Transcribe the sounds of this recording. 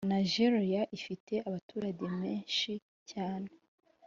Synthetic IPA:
naʒeɾijaʔifite̞ʔaβatuːɾaɟe̞meːnʃi | caːne̞

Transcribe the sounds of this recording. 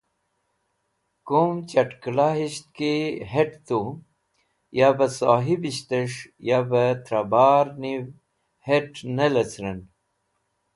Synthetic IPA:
kumt͡ɕɐʈklaɦiɕt̪̚kiɦeʈt̪u | jabəsaːɦibiɕt̪əʂjabət̪ɾabaːɾniw | heʈnelət͡sɾən

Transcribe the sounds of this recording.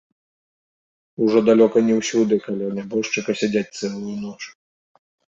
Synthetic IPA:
uʐɔd̪alʲɔkɐnʲɛwsʲud̪ɨkalʲawnʲabɔʂt͡ʂɨkɐsʲad͡zʲat͡sʲt̪sɛlˠujunɔt͡ʂ

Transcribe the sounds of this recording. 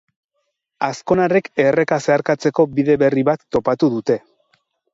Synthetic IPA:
asko̞nareke̞re̞kase̞aɾkat͡se̞ko̞biðe̞βe̞riβat̪ːo̞pat̪uðut̪e̞

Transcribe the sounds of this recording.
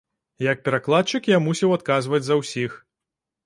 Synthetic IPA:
jɐk̚pʲɛɾaklˠat̪̚t͡ʂɨkjamusʲɛwat̪̚kazvɐd͡zʲzɐwsʲix

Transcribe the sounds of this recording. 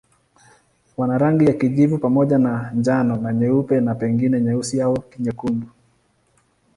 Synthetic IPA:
wanaɾaŋɡijakiʄivupamɔʄanand͡ʒanɔnaɲɛupɛnapɛŋɡinɛɲɛusiaɔkiɲɛkumbu

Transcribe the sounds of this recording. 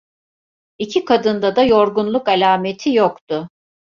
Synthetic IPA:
icʰikʰad̪ɯnd̪ad̪ajo̞ɾɡunlˠukalʲaːmet̪ʰijokt̪ʊ

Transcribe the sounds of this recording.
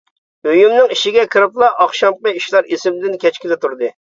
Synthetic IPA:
øjymnɪŋiʃɪɡʲɛkʲʰɨɾɨplˠɑʔɑχʃɑmqɑiʃlˠɑɾisɪmɪd̪ɪnkʲɛt͡ʃkʲɪd̪ɛt̪uɾd̪ɨ

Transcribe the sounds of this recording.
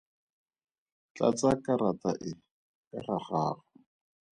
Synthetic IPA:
t͡ɬa̰t͡sakaɾataʔɪ | karaχaːχa

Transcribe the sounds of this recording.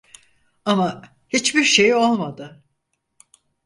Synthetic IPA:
ama | hit͡ʃbiɾʃe̞jo̞lˠmad̪ɯ

